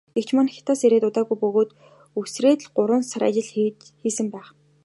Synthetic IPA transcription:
ɡ̥ekt͡ɕʰmanxʲɪ̥t̪ʰaːseɾeːt̪ʊt̪aːɣujpɵɣoːt̪ | uksreːt̪̆ɮɢʊɾʊ̆ːnsaɾa̰t͡ɕɪ̆ɮ | xiːsɘ̆mpæːχ

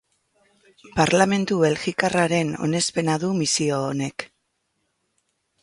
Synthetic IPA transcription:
paɾlame̞nt̪uβe̞lɣikaraɾe̞no̞̰ne̞spe̞naðumisioːne̞k

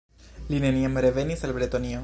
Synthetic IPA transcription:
lineniamɾevenisalbɾet̪onio

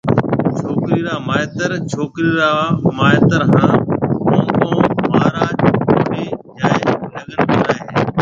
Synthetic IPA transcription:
t͡ʃʰoːkɾiːɾaːmaːet̪əɾt͡ʃʰoːkɾiːɾaːmaːet̪əɾɦãːɦũːkõũmaːɾaːd͡ʒkoːɾiːd͡ʒaːləɠənkoːɾaːeː

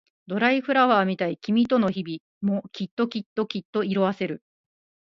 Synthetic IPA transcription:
d̪o̞ɾaiɸɯ̟ɾaβaːmʲit̪aikʲimʲit̪o̞no̞çibʲi | mokʲit̪ːokʲit̪ːo̞kʲit̪ːo̞iɾo̞βase̞ɾɯ̟

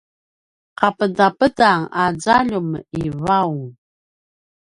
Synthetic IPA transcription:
qapədapədaŋad͡zaʎuməivau

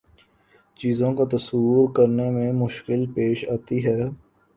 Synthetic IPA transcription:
t͡ʃiːzõkat̪ɐsuːɾkɐɾnemẽmʊʃkɪlpeːʃaːt̪iɦɛː

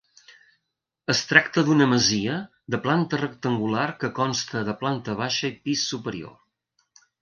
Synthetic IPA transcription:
əst̪ɾakt̪əðunəməziə | ðəplant̪ərək̚t̪əŋɡularkəkɔnst̪əðəplant̪əβ̞aʃəipisːupəɾio̰

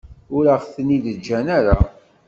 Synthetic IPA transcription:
ʊɾəʁθəniðəd͡ʒːænæɾa

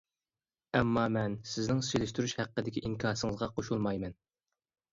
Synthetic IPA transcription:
ɛmːɑmɛnsɪznɪŋselɪʃt̪yɾyʃhæqːəd̪ɪkʲiʔiŋkʲʰɑɾsɨŋəzʁɑqʰoʃulˠmɑjmɛn

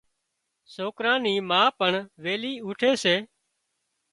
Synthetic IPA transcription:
soːkɾãːniːmãːpəɳʋeːliːuːʈʰeːseː

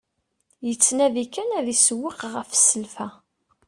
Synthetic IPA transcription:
jət͡sːnæðikænæðiswːəqʁəfsəlfæ

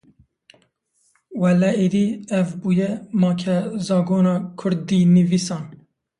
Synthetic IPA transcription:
wɛlɛeɾiːɛvbuːjɛmɑːkʰɛzɑːɡoːnɑːkʰʊɾd̪iːnivisɑːn

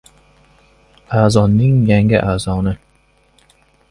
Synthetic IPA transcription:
aːzɒnːɪŋjaŋɪʔaːzɒnɪ

